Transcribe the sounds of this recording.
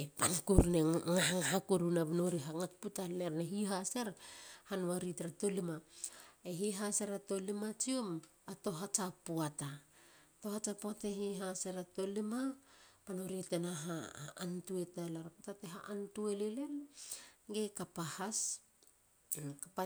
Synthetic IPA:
epankuɾneŋaɦaŋaɦakuɾunabnoɾiɦaŋak̚putalːeɾneɦiɦaseɾhanwaɾitɾato̞limaeɦiɦaseɾato̞limat͡ʃiom | ato̞ɦat͡ʃapuata | to̞hat͡ʃapuataɦiɦaseɾato̞limapanoɾitenaɦaːntue̞talaɾaputateɦaʔantuelele̞l | ɡekapahas | kapa

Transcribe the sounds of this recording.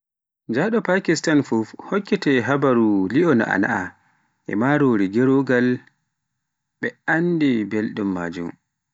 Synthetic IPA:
d͡ʒaɗɔpakistanfufhɔkːɛtɛɦabaɾuliɔna̰a̰na̰ʔa | ʔɛ̰maɾoɾiɡɛɾoɡal | ɓɛandibelɗumːa̰ːd͡ʒṵm

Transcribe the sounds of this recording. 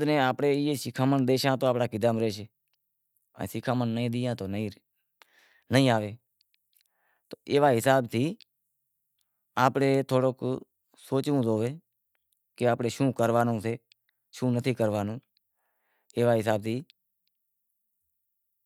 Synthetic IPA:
d̪nẽːaːpɽeːeːsɪkʰaːmənd̪eːʃãːt̪oːaːpɽaːkɪd̪əmɾeːʃeː | ə̰̃ːsɪkʰaːmənːəĩːd̪iːjãːt̪oːnĩː | nəĩːaːʋeː | t̪oːeːʋaːɦɪsaːbt̪ʰiː | aːpɽeːt̪ʰoːɽoːk | soːt͡ʃʋũːzoːʋeː | keaːpɽeːʃũːkəɾʋaːnõːseː | ʃũːnət̪ʰiːkəɾʋaːnõː | eːʋaːɦɪs̬aːb̚t̪ʰiː

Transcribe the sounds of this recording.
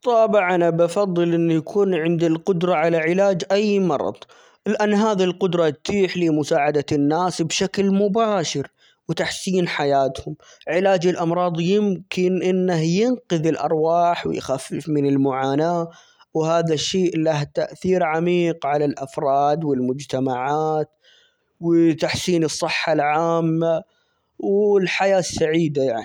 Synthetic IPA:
t̪ˤɑːbɪʕʔanabɑfɑðˤːɨlʔɪnːjakʰuːnʕɪnd̪ilqʊd̪ɾˤɑʕalaʕɪlaːd͡ʒʔajːmɑɾˤɑ̰ðˤ | lɪʔanːɦaːðilqʊd̪ɾˤɑtt̪ʰiːħliːmʊsaːʕad̪anːaːsbʃaklmʊbaːʃɪɾ | wt̪aħsiːnħajaːt̪hʊm | ʕɪlaːd͡ʒɪlʔɑmɾˤɑːðˤjɪmkɪnʔɪnːahjɪnqɨðɪlʔɑ̰ɾˤwaːħwɪ̰jxafːɪfmɪnɪlmʊʕaːnaː | whaːðaʃːeːʔlaht̪aʔθiːɾʕamiːqʕalalʔafɾˤɑːd̪wɪlmʊd͡ʒt̪amaʕaːt̪ | wɪt̪aħsiːnɨsˤːɨħːalʕaːmːa | wɪlħajaːsːaʕiːd̪ajaʕni

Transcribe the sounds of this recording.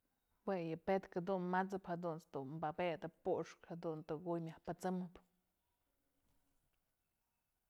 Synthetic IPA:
wejɨpet̪kad̪unmat͡sɨphad̪unsd̪unmbabeʔd̪ɨpuʔʂkhad̪unt̪ɨɡujmjahpɨt͡sɨmɨp

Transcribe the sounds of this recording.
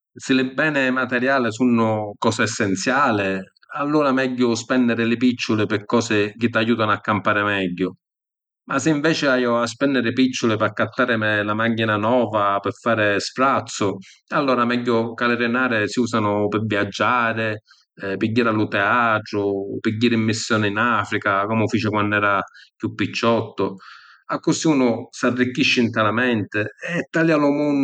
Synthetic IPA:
sɪlɪbːɛːnɪmat̪ɛɾjaːlɪsunːʊkɔːsɪɛsːɛnt̪sjaːlɪ | alːuːɾamɛɟːʊspɛndɪɾɪlɪpit͡ʃːʊlɪpɪkːɔːsɪk̟ɪt̪ːajuːt̪anʊakːampaːɾɪmɛɟːʊ | masɪiɱvɛːt͡ʃɪajʊaspɛnːd̪ɪɾɪpit͡ʃːʊlɪpakːat̪ːaːɾɪmɪlamaɡːinanɔːvapɪfaːɾɪspɾat̪sːʊalːɔːɾamɛɟːʊkalɪɾɪnaːɾɪsiuːsanʊpɪviad͡ʒːaːɾɪ | piɟːiːɾalʊt̪ɛaːt̪ɾʊpiɟːiːɾɪimːisːjɔːnɪinafɾikakɔmʊfiːt͡ʃɪkwanːɛːɾakjupːit͡ʃːɔt̪ːʊ | akːʊsiuːnʊsarːikːiʃːɪnt̪ɛlamɛnt̪ɪɛt̪ːaljalʊmun

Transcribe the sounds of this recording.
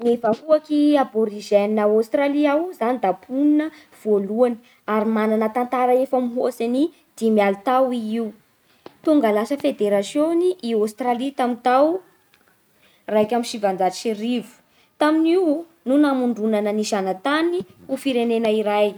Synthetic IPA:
nefaɦuakiaboɾiʒɛnnawast̪ɾaliawzanid̪apʰuninə | v̥oluani̥ | aɾimananət̪ant̪aɾəefamiɦosani | d̪̥imialut̪awiiw | t̪uŋɡalasəfed̪eɾasjoniʔiost̪ɾalit̪amint̪aw | rajkʲamiʃivand͡zai̥ʃiɾivu̥ | t̪aminiw | nunamuɳɖ͡ʐunanəniʃanat̪aniufiɾenenəiɾaj

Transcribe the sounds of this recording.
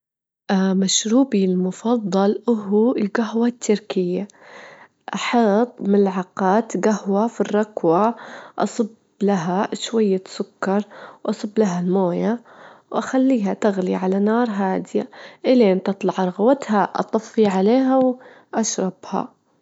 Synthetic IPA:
ʔmaʃɾuːbilmʊfɑðˤːɑlʔʊɦɪlɡaɦwat̪ːɪɾkɪjːa | ʔɑħɑːt̪ˤmɪlʕɑqɑːt̪ɡahwafirˤːɑkwaʔɑ̰sˤɨb | laɦaʃwajːasʊkːɑɾˤwʔɑsˤɨbːlaɦalmoːjawʔaxalːiːhat̪aɣliʕalanɑːɾˤɦaːd̪ɪja̰ʔɪleːnt̪ɨt̪ˤlɑʕɾˤɑɣwat̪haʔɑ̰t̪ˤɑfːiʕaleːɦaw | ʔaʃɾˤɑb̥ha̰

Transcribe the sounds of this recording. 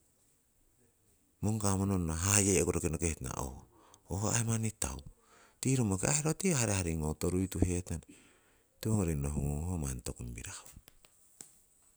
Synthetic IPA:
moŋkamononːaɦajekoɾokenokehtna̰ʔo̰h | ohoaemanita̰w | tiɾomokeaheɾotihaɾehaɾiŋotoɾujtuhetan | teoŋoɾinoɦuŋuŋhomantokumbḭɾaho

